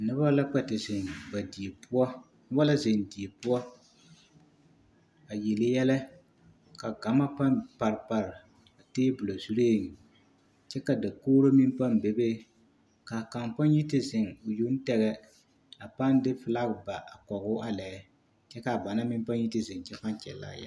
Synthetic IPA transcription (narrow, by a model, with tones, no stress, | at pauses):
nɪ˦ba˦la˦k͡pɛ˨tɪ˨zɪ˨ŋba˨di˨e˨pʊ˦ɔ˦ | nɪ˦ba˦la˦zɪ˨ndi˨e˨pʊ˦ɔ˦ | a˨ji˨lɪ˨jɛ˦lɛ˦ | ka˨ɡa˨ma˦pa˦npa˨ɾɪ˨pa˨ɾɪ˨ | a˨teː˦bʊ˨la˨zu˦ɾeː˦˨ŋ˨ | t͡ʃɛ˦ka˨da˨koː˦ɾo˦mi˦mpa˦nbe˨be˦ | ka˨ka˨mpa˦ŋ˦ji˦tɪ˦zɪ˨ŋʊ˨ju˦n̩˦tɛ˨ɣɛ˦ | a˨pa˦ndɪ˦fɪ˨la˦ɡba˨ʔa˨kɔ˨ɣʊ˦ʔa˦lɛ˨˦ | t͡ʃɛ˦ka˨ba˨na˦mɪ˦m˦pa˦ɲ˦ji˦tɪ˦zɪ˨ŋ˨t͡ʃɛ˦fa˦n˦t͡ʃɛ̰˨lːa̰˦ja̰˦